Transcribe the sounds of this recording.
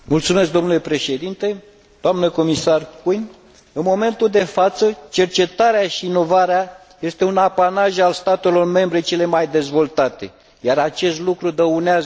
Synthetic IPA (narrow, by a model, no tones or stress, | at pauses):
mult̪sume̞s̬k̚d̪o̞mnule̞pɾe̞ʃe̞d̪int̪e̞ | d̪̥oamnəko̞misarkujn | ɨnmo̞me̞nt̪uld̪e̞fat̪sət͡ʃe̞rt͡ʃe̞t̪aɾeaʃiːno̞vaɾea | je̞st̪e̞unapanaʒalst̪at̪e̞lo̞rme̞mbɾe̞t͡ʃe̞le̞majd̪e̞zvo̞lt̪at̪e̞̰ | jaɾat͡ʃe̞st̪lukɾud̪əuneaz